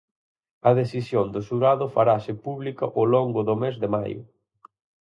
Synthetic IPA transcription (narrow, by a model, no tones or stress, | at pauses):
ɐðeθisjond̪ʊsuɾaðʊfaɾasɪpuβlikɐʔolɔŋɡʊðʊmezðɪma̰jʊ̰